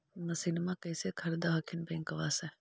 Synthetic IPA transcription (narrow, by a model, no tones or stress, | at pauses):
nəsinmãkəjsekʰəɾd̪aɦəkʰinbẽŋkəʋase